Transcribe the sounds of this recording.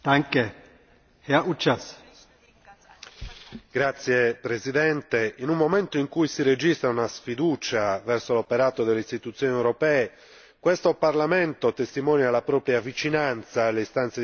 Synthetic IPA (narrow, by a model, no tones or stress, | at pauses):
d̪̥aŋke | hɛɐut͡ʃːas | ɡ̥ɾat̪sːjɛpɾezid̪ɛnt̪einumːomɛnt̪oiŋkujsired͡ʒist̪ɾaunasfid̪uːt͡ʃavɛrsolopɛɾaːt̪od̪elːeist̪it̪ut̪sːjoːniewɾɔpɛːe | kwest̪oparlamɛnt̪ot̪est̪imɔːnjalːapɾɔːpɾjavit͡ʃinant̪saːlːeist̪ant̪se